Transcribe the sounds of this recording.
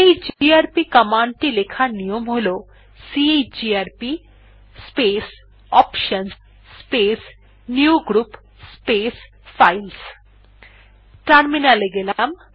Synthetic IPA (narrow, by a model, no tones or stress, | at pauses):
ed͡ʒiaːɾpikɐmaːɳʈilekʰanijomoloː | siejd͡ʒiaɾpi | speːs | ɔːpʃɐns | peːs | njuɡɾup | speːs | pʰɐjls | ʈɐɾminaleɡelam